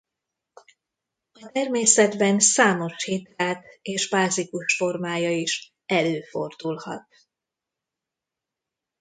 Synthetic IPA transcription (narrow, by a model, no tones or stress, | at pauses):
ɒt̪ɛrmeːsɛd̪bɛnsaːmo̞ʃhit̪aːt̪eːʒbaːzikuʃfo̞rmaːjɒiʃ | ɛløːfo̞rd̪ulhɒ̰t̪̚